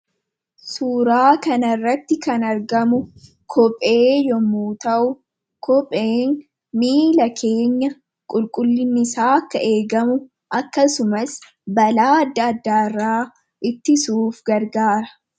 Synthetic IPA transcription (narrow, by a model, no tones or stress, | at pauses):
suːɾaːkɐnɐrːɐt̪ːɪkɐnɐɾɡɐmʊ | kʰɔpʼːe̞ːjɔmuːt̪ɐʔʊ | kɔpʼe̞ːn | miːlɐkʰe̞ːɲːɐ | kʼʊlkʼʊlːɪnːɪsaːkːɐʔe̞ːɡɐmʊ | ʔɐkːɐsʊmɐs | bɐlaːɐd̪ːɐɐd̪ːaːɪrːaː | ʔɪt̪ːɪsuːfɡɐɾɡaːɾɐ